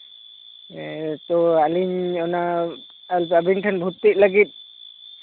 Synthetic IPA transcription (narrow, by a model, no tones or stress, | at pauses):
t̪ɔaliɲɔna | alpabinʈʰanbʱut̪ːit̪̚ˀləɡit̪̚ˀ